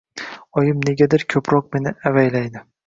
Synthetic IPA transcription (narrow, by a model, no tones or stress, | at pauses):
ɒjɪmne̞ɡʲad̪ɪɾkʲʰɵpʰɾɒq̚me̞nɪavajlajd̪ɪ